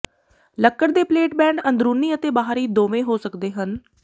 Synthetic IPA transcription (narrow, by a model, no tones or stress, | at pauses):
ləkːəɾd̪eːpleːʈbɛ̃ːɳɖənd̪ɾuːniːət̪eːbaːɦɾiːd̪oːʋẽːɦoːsəkd̪eːɦən